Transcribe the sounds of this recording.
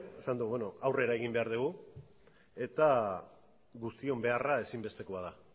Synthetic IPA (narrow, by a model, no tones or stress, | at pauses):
esand̪uβono̞awre̞ɾae̞ɣimbe̞aɾðuɣu | e̞t̪a | ɣust̪io̞mbe̞arae̞simbe̞st̪e̞ko̞að̞a